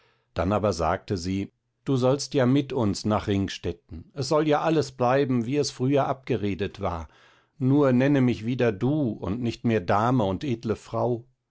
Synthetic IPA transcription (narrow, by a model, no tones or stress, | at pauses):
d̥anaːbɐza̰ːk̚təziː | d̥uːzɔlstjaːmɪtʊnsnaːχʁɪŋʃtɛtn̩ʔɛs̬z̥ɔljaːʔaləsb̥laɪbm̩viːɛsfʁ̥yːɐʔap̚ɡ̥əʁeːdətv̥a̰ːɐ | nuːɐnɛnəmɪçv̥iːdɐduːʊ̰ntnɪçtmeːɐdaːməʊntʔeːdləfʁ̥aʊ